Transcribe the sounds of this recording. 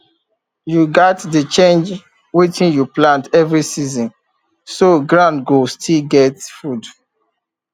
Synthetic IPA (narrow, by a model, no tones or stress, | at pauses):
juɡɔtdət͡ʃẽnd͡ʒ | witĩnjuplãntɛvɹisizɔ̃n | soɡɹãndɡostʰilɡɛtfud